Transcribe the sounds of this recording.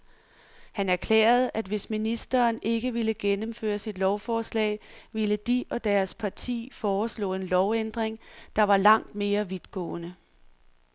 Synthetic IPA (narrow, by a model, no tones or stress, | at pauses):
hænæɐkʰlɛ̰ːɐð̞̩ˠʔæd̥ʋe̝sminisd̥ɐːne̝ɡ̥əʋiləɡ̥enəmfø̰ːɐsid̥lɒʊfɒːslɛ̰ːɪʋiləd̥iʔɒ̽d̥æɐspʰɑ̈t͡sʰḭːfɒːslɔ̰ːe̝nlɒʊend̥ʁeŋd̥ɑ̈ʋɑ̈lɑ̈ŋ̰d̥̚me̝ːɐʋið̥ɡ̥ɔ̰̽ːnə